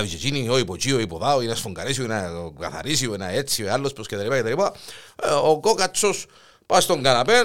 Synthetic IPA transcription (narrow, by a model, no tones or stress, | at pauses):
vit͡ʃet͡ʃinioipot͡ʃioipoðaoinasfoŋɡaɾis̬ioinaka̰θa̰ɾisioinaet̪t͡ssːioealːosposket̪aɾipaket̪aɾipa | okokat͡ʃːos | past̪oŋɡanape